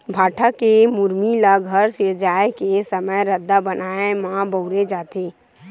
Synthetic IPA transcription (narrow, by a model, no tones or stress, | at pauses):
bʱaːʈʰakemuɾmilaɡʱəɾsɪɾd͡ʒaːekesəməjɾəd̪ːabənaːemãːbəʊɾed͡ʒaːt̪ʰeː